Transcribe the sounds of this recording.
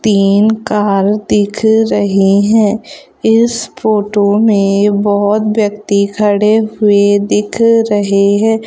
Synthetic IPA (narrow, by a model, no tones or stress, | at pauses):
t̪iːnkaːɾd̪ɪkʰɾɐɦiɦɛ̃ː | ɪsfoːʈomẽbɔɦʊt̪ʋjəkt̪ikʰəɽeɦʊed̪ɪkʰɾɐɦeɦɛ̃ː